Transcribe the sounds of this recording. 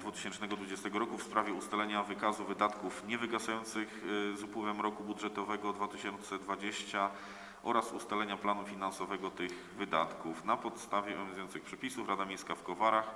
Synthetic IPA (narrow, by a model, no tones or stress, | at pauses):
d̪vut̪ɘ̥ɕɛnt͡ʂnɛɡɔd̪vud͡ʑɛst̪ɛɡɔɾɔkufspɾavʲjɛust̪alɛɲavɘkazuvɘd̪at̪kufɲɛvɘɡasajɔnt̪sɘxzupwɘvɛmɾɔkubudʐɛt̪ɔvɛɡɔd̪vat̪ɘɕɔnt̪sɛd̪vad͡ʑeɕt͡ɕa | ʔɔɾasust̪alɛɲaplanufʲinansɔvɛɡɔt̪ɘɣ | vɘd̪a̰t̪kufnapɔt̪st̪avʲjɛɔ̰vʲɛ̃nzujɔnsɘxpʂɛpʲisufɾad̪amʲejskafkɔvaɾax